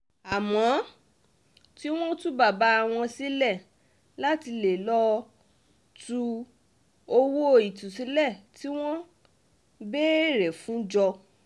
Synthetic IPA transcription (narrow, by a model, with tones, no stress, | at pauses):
a˨mɔ̃˨˦ | ti˦w̃ɔ̃˦tũ˦ba˦˨ba˨˦a˨w̃ɔ̃˧si˦lɛ˦˨ | la˦ti˧le˨lɔ˦ | tu˧ | o˧wo˦˧i˨tũ˨si˨˦lɛ˦˨ti˦w̃ɔ̃˦ | be˦˨ɾɛ˨fũ˨˦d͡ʒɔ˧